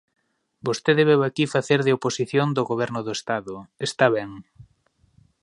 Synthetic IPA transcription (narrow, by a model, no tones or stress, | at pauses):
bost̪eðeβɛβakifaθeɾðɪoposiθjond̪ʊɣoβ̞ɛɾnʊðoest̪aðʊest̪aβɛŋ